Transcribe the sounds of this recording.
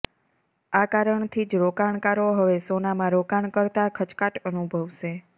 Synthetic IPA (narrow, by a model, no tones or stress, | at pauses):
akaɾəɳt̪ʰid͡ʒɾokaɳkaɾoɦəʋesonamãɾokaɳkəɾt̪akʰət͡ʃkaʈənubʱəʋʃe